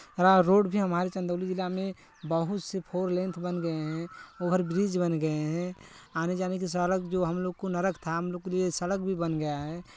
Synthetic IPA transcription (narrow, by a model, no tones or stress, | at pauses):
ɾaɾoːɖbʱiɦəmaːɾet͡ʃə̃nd̪əːlid͡ʒɪlːamẽ | bəɦʊt̪sepʰoːɾlẽːnt̪ʰbənɡəeɦɛ̃oːpəɾbɾiːd͡ʒbənɡəeɦɛ̃ | aːned͡ʒaːnek̬is̬əɽək̚d͡ʒoːɦəmloːɡ̚konɐɾəkt̪ʰaɦəmloːɡ̚keliesəɽək̚bʱibənɡəjaɦɛː